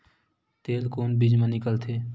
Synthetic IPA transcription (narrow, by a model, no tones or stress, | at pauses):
t̪eːlkoːnbid͡ʒmẽnɪkəlt̪ʰeː